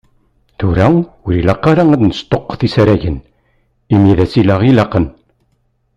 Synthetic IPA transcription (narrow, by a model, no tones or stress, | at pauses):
θuɾæwɾilɑqːaɾaæd̪nəst̪oqːθisɾæʝən | imjiðæsilæʁilɑqən